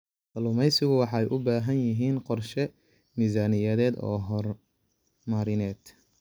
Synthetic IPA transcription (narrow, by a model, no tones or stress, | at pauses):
ʔɐlʊmɛjsɪɣʊwɑħɑɛjʔʊbaːɦɐnjɪɦiːnqɔrʃɛ | miːzaːnɪjɐðɛːd̪ɔ̰ːɦɔr | maɾɪnɛːd̪̥